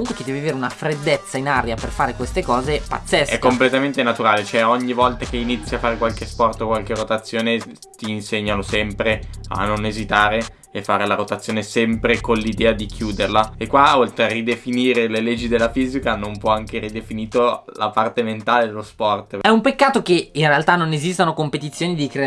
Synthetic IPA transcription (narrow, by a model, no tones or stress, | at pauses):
muŋkweked̪ɛviveɾeunafɾed̪ːet̪sːainaɾjaperfaːɾekwest̪ekɔːzepa̰t̪sːɛsɛkːomplet̪ament̪enat̪uɾaːlet͡ʃoɛɔɲːivɔlt̪ak̟einit̪sːjafːaːɾekwalkespɔrt̪okwalkerot̪at̪sːjoːne | t̪iːnseɲːanosɛmpɾea̰nːonezit̪aːɾe | efːaːɾelaɾot̪at̪sːjoːnesɛmpɾekonlid̪ɛːad̪ik̟ʰjuːd̪erlaekːwaolt̪ɾearid̪efiniːɾeleled͡ʒːid̪elːafiːzikanõmpwɔaŋkerid̪efiniːt̪olapart̪ement̪aːled̪elospɔrt̪ɛumpekːaːt̪ok̟einrealt̪anːonezist̪anokompet̪it̪sːjoːnid̪ikɾe